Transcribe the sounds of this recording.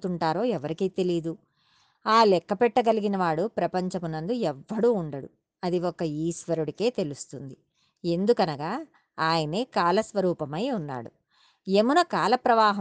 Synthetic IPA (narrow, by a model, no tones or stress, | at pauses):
t̪uɳʈaːɾo̞ːɛʋɐɾikiːt̪e̞lid̪u | aːlɛkːɐpɛʈːɐɡɐliɡinɐʋaːɽupɾɐpɐɲt͡ʃɐmunɐnd̪uɛʋːɐɽuːɳɖɐɽu | ɐd̪iɔkːɐiːsʋɐɾuɽike̞ːt̪e̞lust̪und̪i | e̞nd̪ukɐnɐɡaː | aːjɐneːkaːlɐsʋɐɾuːpɐmɐjunːa̰ːɽu | e̞munɐkaːlɐpɾɐʋaːɦɐ